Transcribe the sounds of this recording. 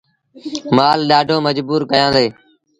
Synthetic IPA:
maːlɗaːɖʱõːməd͡ʒbuːɾkəjãːd̪eː

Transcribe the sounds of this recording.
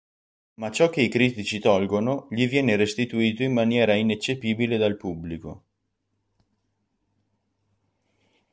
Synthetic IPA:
mat͡ʃɔk̟ːeikɾiːt̪it͡ʃit̪ɔlɡonoʎivjɛːneɾest̪it̪uiːt̪oimːanjɛːɾainet͡ʃːepiːbiled̪alpubːliko

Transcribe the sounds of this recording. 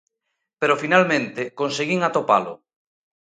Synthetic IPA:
peɾofinalmẽnt̪ekonseɣiŋat̪opa̰lʊ̰

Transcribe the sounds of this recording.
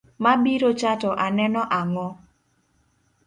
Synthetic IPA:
mabiɾot͡ʃatɔʔanɛnɔʔaŋɔ

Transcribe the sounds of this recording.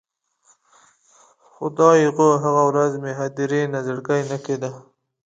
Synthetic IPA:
xʊd̪ɑiɣoɦaɣawɾazmeɦad̪iɾenazəɽɡajnaked̪a

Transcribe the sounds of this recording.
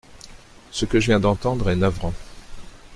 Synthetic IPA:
səkəʒəvjɛ̃d̪ɑ̃t̪ɑ̃d̪ʁɛnavʁɑ̃

